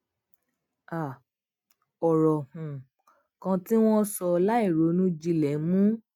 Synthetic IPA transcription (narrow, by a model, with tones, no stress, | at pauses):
a˨ | ɔ˨ɾɔ˨hũ˨ | kã˧ti˦w̃ɔ̃˦sɔ˧la˦i˦˨ɾo˨˦nũ˦d͡ʒi˧lɛ˨˦mũ˦